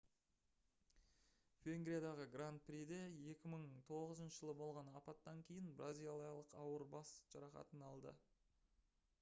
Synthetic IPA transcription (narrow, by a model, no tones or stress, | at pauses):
vʲeŋɡɾʲijad̪ɑʁəɡrant̪̚pɾʲid̪eje̞kʲɪməɴt̪ʰo̞ʁəzənʃəʒəlˠəbo̞lˠʁɑnɑpɑt̪ːɑŋkʲʰe̞jɪnbrazʲijalˠijɑlˠəqɑwəɾbɑsʒ̥ɑɾɑχɑ̰t̪ənɑlˠd̪ə̰